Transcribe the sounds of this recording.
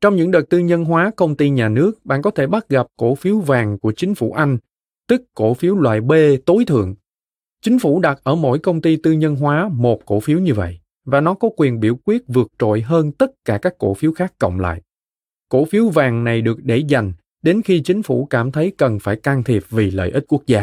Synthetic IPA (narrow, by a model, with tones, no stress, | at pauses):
t͡ɕɔ˧wŋ͡mɲɨ̰˧˥ŋɗə˨˩t̚t̪ɨ˧ɲə˧nɦwaː˨˦kə˧wŋ͡mt̪i˧ɲaː˨˩nɨ˦˥ək̚ɓa̰ː˧˨nkɔ˨˦t̪ʰe˧˩ɓa˦˥t̚ɣa˨˩p̚ko˧˩fi˨˦əwvaː˨˩ŋku˧˩ət͡ɕï˨˦ŋ̟fṵ˧˩ʔa˧jŋ̟ | t̪ɨ˦˥kːo̰˧˩fi˨˦wlwa̰ː˧˨jɓe˧t̪o˨˦jt̪ʰɨ̰˧˨əŋ | t͡ɕï˨˦ŋ̟fu˧˩ɗa˨˩t̚ʔəː˧˩mo̰˧˥jkə˧wŋ͡mt̪i˧t̪ɨ˧ɲə˧nɦwaː˨˦mo˨˩t̚ko̰˧˩fi˨˦əwɲɨ˧və̰˧˨jʔ | vaː˨˩nɔ˨˦kɔ˨˦kwi˨˩ənɓḭ˧˩əwkwi˦˥ət̚vɨ˨˩ək̚t͡ɕo̰˧˨jɦəː˧nt̪ə˦˥t̚kaː˧˩kaː˦˥kːo̰˧˩fi˨˦wxaː˦˥kːə̰˧˨wŋ͡mla̰ː˧˨j | ko̰˧˩fi˨˦əwvaː˨˩ŋna˨˩jɗɨ˨˩ək̚ɗe˧˩za˨˩jŋ̟ | ɗe˨˦nxi˧t͡ɕï˨˦ŋ̟fṵ˧˩kaː˧˩mt̪ʰə˨˦jkə˨˩nfaː˧˩jkaː˧ŋt̪ʰi˨˩əp̚vi˨˩lə̰ː˧˨jʔi˦˥t̚ku˦˥ək̚zaː˧